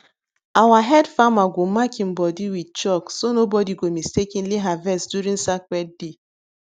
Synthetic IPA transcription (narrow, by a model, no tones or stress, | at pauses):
awaɦɛdfamaɡʷomakĩm̩bɔdiwit͡ʃɔksonobɔdiɡomistekinliɦavɛsdjuɾĩŋsakwɛd̚de